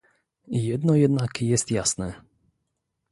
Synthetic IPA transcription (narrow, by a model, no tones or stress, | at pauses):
jɛd̪nɔjɛd̪nakjɛst̪jasnɛ